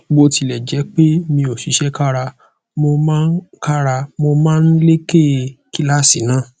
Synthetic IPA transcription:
ɡ͡bo˧ti˧lɛ˨d͡ʒɛ˨˦k͡pe˦mĩ˧o˨ʃi˨˦ʃɛ˦ka˦ɾa˧ | mo˧mãː˦n̩˦ka˦ɾa˧mo˧mãː˦˧n̩˦le˦ke˦˨ki˦la˦˨si˨nãː˦˨

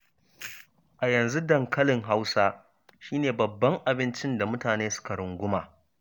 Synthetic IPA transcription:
ʔa˨jɐ˨nzu˦dɐ˨ŋkɐ˦lɪ˨ŋɦa˦wsaː˦ | ʃiː˦neː˨bɐ˨bːɐ˦ŋʔa˨bɪ˦nt͡ʃɪ˦nda˨mʊ˦taː˨neː˦sʊ̥˦ka˨ɽʊ˨ŋɡʷʊ˦maː˨

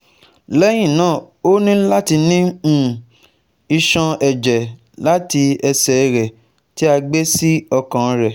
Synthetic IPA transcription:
lɛ˦j̃ĩ˦˨nãː˦˨ | o˦nĩ˦la˦ti˧nĩ˦˨ | i˧ʃã˧ɛ˨d͡ʒɛ˨ | la˨˦ti˧ɛ˧sɛ˨ɾɛ˨ | ti˦a˧ɡ͡be˦si˦ɔ˧kã˨˧ɾɛ˨

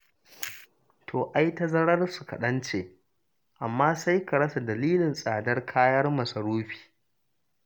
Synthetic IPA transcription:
tʰoː˨ʔa˦jta˦zɐ˦ɽɐ˦rsu˨kɐ̰˨ɗɐ˦nt͡ʃe˨ | ʔa˨mːaː˦sa˦jkɐ˨ɽɐ˦sa˨dɐ˨liː˦lɪ˨nsʼaː˨dɐ˦rkʰaː˦jɐ˦rmɐ˨sɐ˨ɾoː˦ɸi̥ː˨

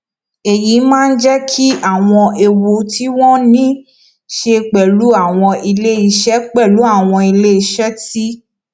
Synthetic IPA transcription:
e˨ji˨˦mãː˦˧n̩˦d͡ʒɛ˦kʰi˦a˦˨w̃ɔ̃˧e˧wo˧tʰi˦w̃ɔ̃˦nĩ˦ | ʃe˧k͡pɛ˨lu˨˦a˦˨w̃ɔ̃˧i˧le˦i˧ʃɛ˦k͡pɛ˦˨lu˨˦a˦˨w̃ɔ̃˧i˧le˦i˧˦ʃɛ˦ti˦

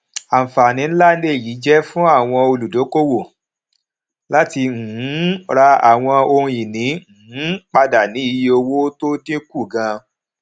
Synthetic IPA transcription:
a˨fa˨nĩ˨˦la˦ne˦˨ji˨˦d͡ʒɛ˦fũ˦a˦˨w̃ɔ̃˧o˧lu˨do˨˦ko˦wo˦˨ | la˦ti˧ŋ̩˨˦ɾa˧a̰˨w̃ɔ̃˧o˧ũ˧jĩ˨nĩ˨˦ŋ̩˨h̩˨˦k͡pa˦da˨nĩ˨˦i˧jo˧wo˦to˦tĩ˦ku˦˨ɡã˧

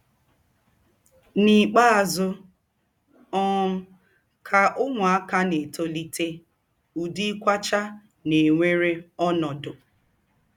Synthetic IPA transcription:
ni˨k͡pa˦˨zʊ˦ | ɔ˦m̩˦ | kʰa˨ʔʊ˦ŋʷ˨a˦ka˦ne˨to˦li˦te˦ | u˨di˦kʷa˦t͡ʃa˦ | ne˨ŋʷe˦ɾe˦ɔ˦nɔ˨dʊ˨

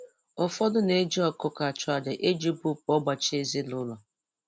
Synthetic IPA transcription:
ʊ˨fɔ˦dʊ˦ne˨˦d͡ʒi˦ɔ˦kʊ˦ka˨t͡ʃʊ˨a˨de˨ʔe˦d͡ʒi˦bu˦pɔ˦ɡ͡ba˨t͡ʃe˦zi˦lʊ˦lɔ˨

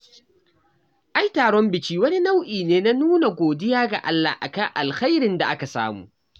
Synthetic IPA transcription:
ʔa˦jtaː˨ɽɔ˦mbɪ˨t͡ʃiː˦wɐ˦ni˦na˦wʔiː˨neː˦na˦nuː˦na˨ɡʷoː˨dɪ˦jaː˦ɡa̰˨ʔa˦lːa̰˨hʔa̰˨ka˦ŋʔa˨lxa˦jɾɪ˨nda˨ʔa˦ka˨sa̰ː˦mṵː˨ʔ

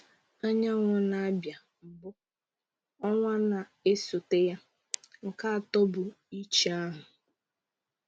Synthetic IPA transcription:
a˦ɲa˦ŋʷɔ˨na˦a˦bja˨ | m̩˨bʊ˦ | ɔ˦ŋʷa˦na˨e˦sʊ˨te˦ja˦ | ŋ̩˨ka˦a˨tɔ˦bʊ˨ | i˦t͡ʃa˦ɦʊ˨

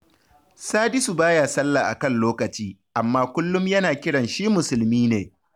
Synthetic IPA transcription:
saː˦dɪ˦su˨baː˦jaː˨sɐ˦lːaː˨ʔa̰˨kɐ˦˨nloː˦kɐ˨t͡ʃiː˦ʔa˨mːaː˦kʷʊ˦lːʊ˦mjɐ˦naː˨kʲɪ˦ɽɐ˨nʃiː˦mʊ˨sʊ˨lmiː˦neː˨

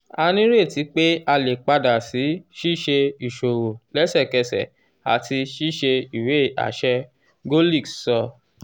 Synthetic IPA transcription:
a˧nĩ˦ɾe˦˨ti˨˦k͡pe˦a˧le˨k͡pa˧da˨si˨˦ʃi˦˨ʃe˧i˨ʃo˨wo˨lɛ˦sɛ˦˨kɛ˧sɛ̰˨ | a̰˨ti˧ʃi˦˨ʃe˧i˨we˨˦˨a̰˨ʃɛ˧ | ɡo˦li˦˨ksɔ˧

